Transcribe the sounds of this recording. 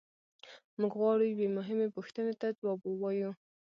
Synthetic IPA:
muɡɣwɑɽibemʊɦɪmepuxt̪ənet̪ad͡ʒwɑbowɑju

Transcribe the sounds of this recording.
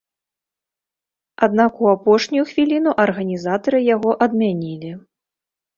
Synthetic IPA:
ad̪nakuapɔʂnʲujuxvʲilʲinuʔɐrɣɐnʲizat̪ɐɾɨjaɣɔʔɐd̪mʲanʲilʲi

